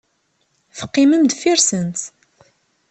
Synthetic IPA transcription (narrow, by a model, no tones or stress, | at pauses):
θə̥qːiməmd̪fiɾsənt̪